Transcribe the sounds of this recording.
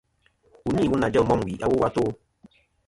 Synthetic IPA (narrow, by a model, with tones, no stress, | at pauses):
u˨ni˦˨wu˦na˨d͡ʒɔ˦˨mɔ˦m˨wḭ˨ʔa˦wo˦wa˦to˦